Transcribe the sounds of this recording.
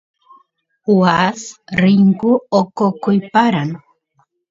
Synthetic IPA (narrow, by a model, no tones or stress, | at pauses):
wasɾiŋkuokokʊjpaɾan